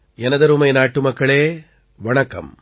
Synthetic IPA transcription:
ɛnɐðɐɾumɐɪnaːʈːɯmɐkːɐɭeː | ʋɐɳɐkːɐ̰m

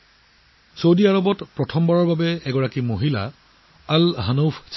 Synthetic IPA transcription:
sowdiaɹɔbɔtpɹɔtʰɔmbaɹɔɹbabɛɛɡɔɹakimoɦila̰ | alɦanowpʰs

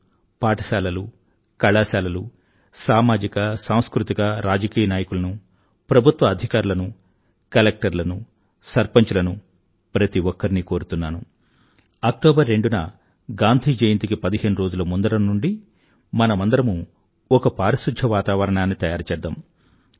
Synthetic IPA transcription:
paːʈɐsaːlɐlu | kɐɭaːsaːlɐlu | saːmaːd͡ʒikɐsaːw̃skɾut̪ikɐɾaːd͡ʒɐkiːjɐnaːjɐkulɐnu | pɾɐbʱut̪ʋɐːd̪ʱikaːɾulɐnu | kɐlek̚ʈɐɾlɐnu | sɐɾpɐɲt͡ʃulɐnu | pɾɐt̪iʋɔkːɐɾiniko̞ːɾut̪unːaːnu | ɐk̚ʈoːbɐɾːe̞ɳɖunɐ | ɡaːnd̪ʱiːd͡ʒejint̪ikipɐd̪iɦe̞ːnuɾo̞ːd͡ʒulɐmund̪ɐɾɐmnuɳɖi | mɐnɐmɐnd̪ɐɾɐmu | ɔkɐpaːɾisud̪ʱɐʋaːt̪aːʋɐɾɐɳaːnːit̪ɐjaːɾɐt͡ʃɛːd̪ːaːm

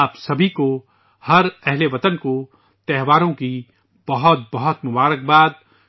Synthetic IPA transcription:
aːpsɐbʱiko | hɐɾɛɦleʋɐt̪ənko | t̪ɛɦʋaːɾõki | b̥ɐɦʊt̪̚bɐɦɔt̪mʊbaːɾək̚baːd̪̚

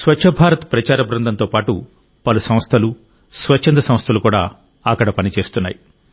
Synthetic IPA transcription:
sʋɐt͡ʃʰɐbʱaːɾɐt̪ɐpɾɐt͡ʃaːɾɐbɾɐnd̪ʱɐnt̪oːpaːʈṵ | pɐlusɐm̃st̪ʰɐlu | sʋɐt͡ʃt͡ʃʰːɐnd̪ɐsɐ̃mst̪ʰɐlukuːɽa̰ː | ɐkːɐɽɐpɐnit͡ʃe̞ːst̪unːa̰ːji

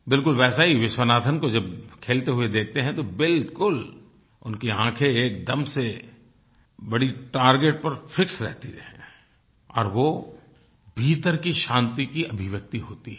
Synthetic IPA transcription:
bɪlkʊlʋɛːsaɦiʋɪʃwənaːt̪ʰənkod͡ʒɐbkʰeːlt̪eɦʊed̪eːk̚ʰt̪eɦɛ̃t̪obɪlkʊl | ʊ̰nkeãːkʰeeːkd̪ɐmse | bɐɽiʈaːɾɡeːʈ̚pɐɾfʰɪksɾɛ̰ɦt̪iɛ̃ː | ɔ̰ːɾʋo | bʱiːt̪əɾkiʃãːnt̪ikiʔɐbʱɪʋək̚t̪iɦoːt̪i

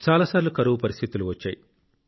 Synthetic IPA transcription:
t͡ʃaːlaːsaːɾilukɐɾuʋupɐɾist̪ʰit̪uluʋɐt͡ʃːa̰ːji

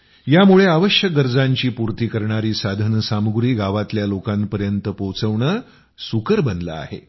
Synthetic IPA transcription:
jamuɭeaʋəɕjəɡəɾd͡zaɲt͡ɕiːpuɾt̪iːkəɾɳaɾiːsad̪ʱənəsamɡɾiːɡaʋat̪ljalokãmpəɾjənt̪əpowt͡səʋɳəː | sukəɾbənla̰a̰ɦḛ

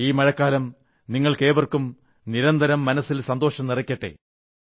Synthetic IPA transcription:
iːmɐɻɐkːaːlɐm | niŋːɐɭke̞ːʋɐrkum | niɾɐnd̪ɐɾɐmːɐnɐsːilsɐnd̪o̞ːʂɐmnirɐkʲːɐʈːḛ

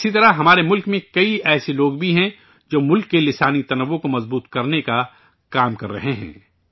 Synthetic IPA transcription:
ɪsit̪ɐɾaɦɐmaːɾemʊlkmẽkɐiɛːseloːɡbʱiɦɛ̃ | d͡ʒoːmʊlkːelɪsaːnit̪ɐnɐʋːokomɐzbuːt̪kɐɾneka | kaːmkɐ̰ɾːɐ̰ɦeɦɛ̰̃ː

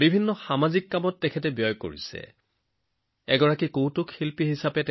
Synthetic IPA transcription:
bibʱinːɔxamazikːamɔtːɛkʰɛtɛbjɔjko̰ɹisɛ̰ | ɛɡɔɹakikowtʊkxilpiɦisapɛt

